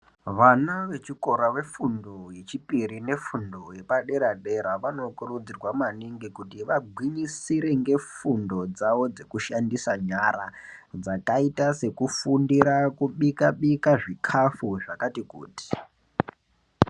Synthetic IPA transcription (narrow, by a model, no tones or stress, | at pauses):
ʋanaʋe̞t͡ʃiko̞ɾaʋe̞fundo̞je̞t͡ʃipiɾine̞fundo̞je̞paɗe̞ɾaɗe̞ɾaʋano̞kurud͡zirwamaniŋɡikutiʋaɡʱwiɲisiɾe̞ŋɡe̞fundo̞d͡zaʋo̞d͡ze̞kuʃandisaɲaɾa̰d͡zakaitase̞kufundiɾakuɓikaɓikaʐikʰafuʐakatikṵːti̥